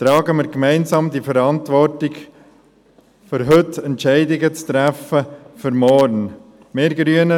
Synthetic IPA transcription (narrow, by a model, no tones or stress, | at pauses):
t̪ɾɑːɡəmɪɾkmɛɪnsɑːmd̪ifəɾɑntʋɔrtɪɡ | fʏɾɦɵtɛntʃɛɪdɪɡət͡st̪ɾæfəfʏɾmɔɾn | meːɾɡɾyənə